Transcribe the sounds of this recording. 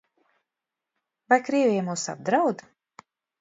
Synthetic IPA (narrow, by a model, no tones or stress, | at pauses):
vajkɾiɛvʲijɛmuːsa̰b̚d̪ɾawd̪